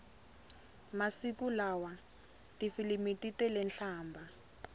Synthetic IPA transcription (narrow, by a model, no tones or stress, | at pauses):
masikulawa | tifilimititɛlɛnɬaːmbʱa